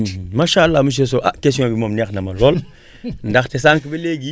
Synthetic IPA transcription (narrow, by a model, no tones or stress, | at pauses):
maːʃaalːamuʃ̬es̬oʔakesijõbimomnɛknɐmaloːl | ndaxtes̬aŋkibeleɡi